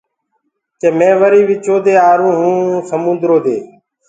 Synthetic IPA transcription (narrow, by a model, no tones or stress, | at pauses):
t͡ʃeːmẽːʋəɾiːʋɪt͡ʃoːd̪eːaːɾũːɦũːsəmũːnd̪ɾoːd̪eː